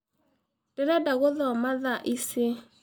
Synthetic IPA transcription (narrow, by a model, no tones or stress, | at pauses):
d̥ɛɾɛdaɣoðɔmaðaʔise